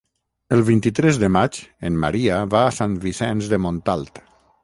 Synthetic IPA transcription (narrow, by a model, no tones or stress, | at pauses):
əlˠβint̪it̪ɾezðəmat͡ʃenma̰ɾiaβaːsanβisɛnzðəmõnt̪alˠt̪